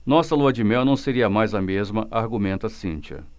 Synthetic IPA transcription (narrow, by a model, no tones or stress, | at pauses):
nɔsɐluɐd͡ʒɪmɛwnɐ̃w̃seɾiɐmajzɐmezmɐʔaɾɡumẽnt̪ɐsĩt͡ʃɐ̰